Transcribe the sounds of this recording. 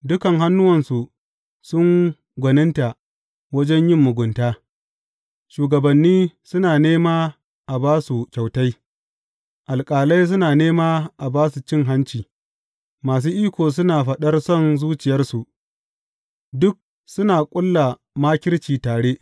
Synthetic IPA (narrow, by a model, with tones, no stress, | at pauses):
dʊ˦kɐ˨ŋɦa˦nːʊ˦wɐ˨nsu˨ | sʊ˦ŋ | ɡʷɐ˨nɪ˦nta˨ | wɐ˦d͡ʒɛ˦ɲjɪ˦mːʊ˨ɡʷʊ˨ntaː˦ | ʃuː˨ɡɐ˨bɐ˨nːiː˦sʊ˦naː˨neː˦maː˦ | ʔa˨baː˦su˨kʲa˨wta˦j | ʔa˨lkʼaː˨la˦js̬ʊ˦naː˨neː˦maː˦ʔa˨baː˦su˨t͡ʃɪ˦ŋɦa˦nt͡ʃiː˨ | maː˨s̬uː˦ʔiː˦kʷoː˨s̬ʊ˦naː˨ɸɐ˦ɗɐ˦rsɔ˦˨nzuː˦t͡ʃɪ˨jɐ˦rsu˨ʔ | dʊ˦k̚ | sʊ˦naː˨kʷʼʊ˦lːa˨ | maː˦kʲɪ˦rt͡ʃiː˨taː˨ɽeː˦ʔ